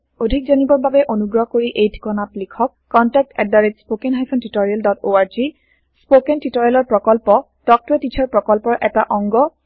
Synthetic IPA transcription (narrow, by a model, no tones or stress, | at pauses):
odʱik̚zanibɔɹbabɛʔonuɡɹɔɦɔkoɹiʔejdʰʱi̥kɔnatlikʰɔkːɔntɛk̚tɛdaɹed͡ʒspokenɦajpʰɔntitɔɹialdɔtoaɹzi | spokentitɔɹialɔɹpɹɔkɔlpɔ | tɔk̚tetit͡ʃʰɔɹpɹɔkɔlpɔɹʔɛtaʔɔŋɡɔ